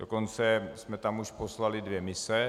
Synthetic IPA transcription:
doko̞nt͡sɛsmɛt̪amuʃpo̞slalɪdvjɛmɪsɛ

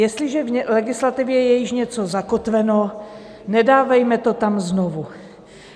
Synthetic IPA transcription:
jɛst̪lɪʒɛvɛlɛɡɪslat̪ɪvjɛjɛjɪʃɲɛt͡so̞zakot̪vɛno | nɛdaːvɛjmɛt̪o̞t̪amznovu

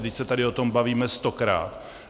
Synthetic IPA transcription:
dɪcsɛt̪adɪo̞t̪o̞mbaviːmɛst̪o̞kɾa̰ːt̪

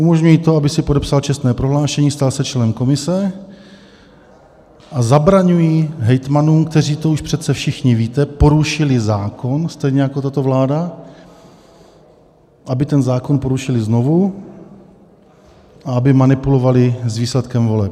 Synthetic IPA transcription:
ʔumo̞ʒɲujiːt̪o̞abɪsɪpodɛpsalt͡ʃɛst̪nɛːpɾo̞ɦlaːʃɛɲiːst̪alsɛt͡ʃlɛnɛmko̞mɪsɛ | ʔazabɾaɲujiːɦɛjt̪manuːmkt̪ɛriːt̪o̞uʃpr̝̥ɛt̪t͡sɛfʃɪxɲɪviːt̪ɛpo̞ɾuʃɪlɪzaːko̞nst̪ɛjɲɛjakot̪at̪o̞vlaːda | ʔabɪt̪ɛnzaːko̞npo̞ɾuʃɪlɪzno̞vu | ʔaabɪmanɪpulo̞valɪzviːslɛt̪kɛmvo̞lɛp̚

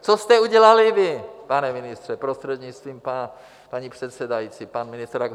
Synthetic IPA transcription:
t͡sost̪ɛuɟɛlalɪvɪpanɛmɪnɪst̪r̝̥ɛpɾost̪r̥ɛd̪ɲɪt͡st̪viːmpa | paɲipr̝̥ɛt̪sɛdajit͡sipanmɪnɪst̪ɾaɡ

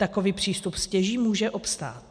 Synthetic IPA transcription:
t̪akoviːpr̝̥iːst̪upscɛʒiːmuːʒɛʔopst̪a̰ːt̪

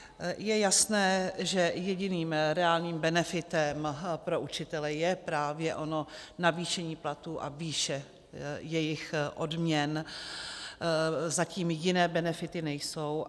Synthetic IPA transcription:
jɛjasnɛːʒɛjɛɟɪniːmɾɛaːlɲiːmbɛnɛfɪt̪ɛmpɾo̞ʔut͡ʃɪt̪ɛlɛjɛpɾaːvjɛʔo̞no̞naviːʃɛɲiːplat̪uːʔa̰viːʃɛ | jɛjɪxʔodmɲɛn | zaciːmjɪnɛːbɛnɛfɪt̪ɪnɛjso̞w

